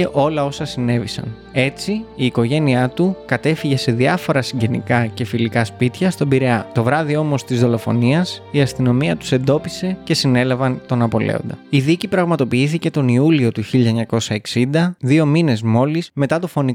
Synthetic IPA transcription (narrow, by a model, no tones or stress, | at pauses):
eʔo̞lɐo̞sɐsine̞visɐ̰n | e̞t͡siiːko̞ʝe̞niɐt̪ukɐt̪e̞fiʝe̞se̞ðiɐfo̞ɾɐsiɲɟe̞nḭkɐce̞filikɐspit̪çɐst̪o̞biɾeɐt̪o̞vɾɐðio̞mo̞st̪izðo̞lo̞fo̞̰niɐsiɐst̪ino̞miɐt̪u̥se̞nd̪o̞pise̞ce̞sine̞lɐvɐnt̪o̞nɐpo̞lḛo̞̰nd̪ɐiðicipɾɐɣmɐt̪o̞piiθice̞t̪o̞niulio̞t̪uçiʎɐeɲɐko̞sɐe̞ksind̪ɐðio̞mine̞zmo̞lizme̞t̪ɐt̪ofo̞ni